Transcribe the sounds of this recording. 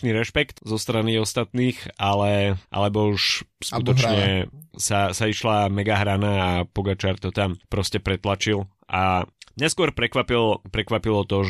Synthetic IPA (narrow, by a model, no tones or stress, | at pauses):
niɾɛʃpɛkt̪zɔst̪ɾaniɔst̪at̪niːxalɛʔa̰lɛbɔuʃskut̪ɔt͡ʃɲɛsasaiʃlamɛɡaɦɾanaːpɔɡat͡ʃaɾt̪ɔt̪ampɾɔscɛpɾɛt̪lat͡ʃilˠ | ʔamɲɛskʊɔɾpɾɛkʋapilpɾɛkʋapilɔt̪ɔʒ